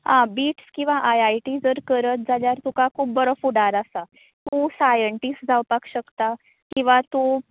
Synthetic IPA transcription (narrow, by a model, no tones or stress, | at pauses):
hãbiːʈskĩw̃ʋaʔajajʈid͡zəɾkəɾət̪̚d͡zaljaɾt̪ũkakʰuːb̚bəɾəfuɽaɾasa | t̪usajəɳʈisʈd͡zʱawpakɕəkt̪a | kĩw̃ʋat̪u